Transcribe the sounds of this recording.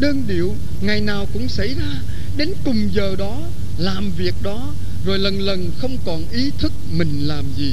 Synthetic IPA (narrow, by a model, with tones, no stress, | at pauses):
ɗəː˧nɗḭ˧˩˨əw | ŋa˨˩jnaː˨˩wkʊ̰˧˥ŋ͡msa̰˧˩jzaː˧ | ɗe˨˦nkʊ˨˩ŋ͡mzəː˨˩ɗɔ˨˦ | laː˨˩mvi˨˩ək̚ɗɔ˨˦ | zo˨˩jlə˨˩nlə˨˩nxə˧wŋ͡mkɔ˨˩nʔi˨˦t̪ʰɨ˦˥k̚mï˨˩ŋ̟laː˨˩mzi˨˩